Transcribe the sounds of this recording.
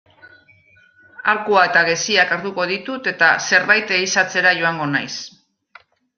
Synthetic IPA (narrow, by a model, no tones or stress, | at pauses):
aɾkuae̞t̪aɣe̞siakaɾðuko̞ð̞it̪ut̪e̞t̪ase̞ɾβajt̪e̞isat͡se̞ɾaʝo̞aŋɡo̞najs